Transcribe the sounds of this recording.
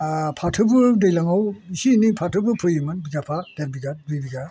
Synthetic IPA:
pʰatʰɯbɯdejlaŋawisinipʰatʰɯbɯpʰɯjɯmɯnbiɡapʰad̥eɾbiɡadɯjbiɡa

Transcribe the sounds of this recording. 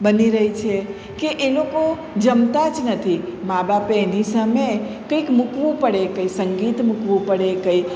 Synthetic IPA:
bəniɾəɦit͡ʃʰe | keʔːloko | d͡ʒəmt̪at͡ʃnət̪ʰimabapeenisəmekəjkmukʋupəɽekəisəŋɡit̪mukʋupəɽekəi

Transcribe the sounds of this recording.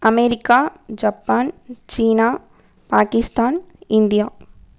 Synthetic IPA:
ɐmeːɾikaːd͡ʒɐpːaːnt͡ʃiːnaː | paːkɪst̪aːnɪnd̪ijaː

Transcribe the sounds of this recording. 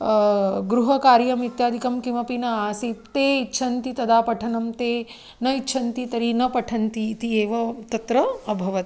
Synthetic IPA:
ɡɾuɦɐkaːɾjɐmit̪jaːd̪ʱikɐmkimɐpinɐaːsit̪eːitːʃʰɐnt̪it̪ɐd̪aːpɐʈʰɐnɐmt̪eː | nɐitːʃʰɐnt̪it̪ɐɾinɐpɐʈʰɐnt̪iːt̪ieːʋɐt̪ɐt̪ɾɐːbʱɐʋɐt̪

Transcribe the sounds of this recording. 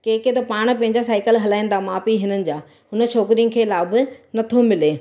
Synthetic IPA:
keːket̪ɐpaːɽ̃pɐ̃ɦɪ̃ɲd͡ʑasaːɪkəlɦɐlaːĩːn̆d̪aːmaːpiɦɪnənɪ̆d͡ʑaː | ʊnə̆t͡ɕʰoːkɾijəkʰeːlaːbɪ̆nɐt̪ʰomɪleː

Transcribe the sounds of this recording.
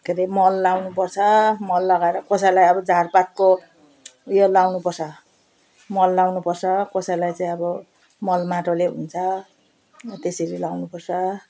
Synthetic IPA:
keɾemʌlːawnupʌrt͡sʰʌmʌlːʌɡaeɾʌkʌsajlajʌbʌd͡zarpat̪̚ko | jolawnupʌrt͡sʰʌ | mʌlːawnupʌrt͡sʰʌkʌsajlajt͡saĩʌbʌ | mʌlmaʈoleɦṵnt͡sʰʌ | t̪eseɾilawnupʌrt͡sʰʌ

